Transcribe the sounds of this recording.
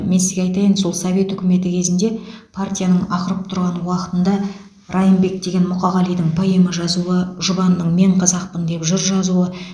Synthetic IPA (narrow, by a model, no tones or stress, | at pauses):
mensɪzɡʲeɑjt̪ɑjənso̞lˠsɐve̞t̪ʏkʲɪme̞t̪ɪkʲʰe̞zɪnd̪e̞pʰart̪ʲijanəɴɑqəɾəp̚t̪ʰʊɾʁɑnwɑqə̥t̪ənd̪ɑ | ɾɑjəmbe̞k̚d̪e̞ɡʲe̞nmʊqɑʁɑlˠijd̪ɪɴpʰɑjeməʒɑzuəʒʊbɑnnːəɴme̞ɴqʰɑzɑqpənd̪e̞pʒʊɾʒɑzuə